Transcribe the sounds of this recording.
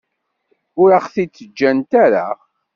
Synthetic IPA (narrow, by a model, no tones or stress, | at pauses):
ʊɾaχθit͡sːəd͡ʒːænt̪æɾa